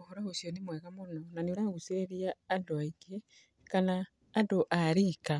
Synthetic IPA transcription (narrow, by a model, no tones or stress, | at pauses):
ohoɾahosjonimwɛɣamonɔnanioɾaɣuseeɾiaːdoaiɡie | kanaː | doʔaɾika